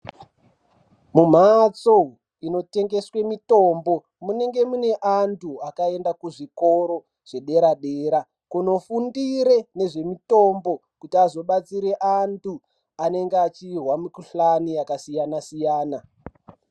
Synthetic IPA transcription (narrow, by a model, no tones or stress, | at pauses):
mum̤at͡so | ino̞te̞ŋɡe̞swe̞mito̞mbo̞ | mune̞ŋɡe̞mune̞ʔantʰuakae̞ndakuʐikoɾo̞ | ʐ̥e̞ɗe̞ɾaɗe̞ːɾa | kuno̞fundiɾe̞ne̞ʐe̞mito̞mbo̞ | kutiazo̞ɓat͡siɾe̞ʔantʰu | ane̞ŋɡeat͡ʃirwamikuɬanijakasijanasijaːna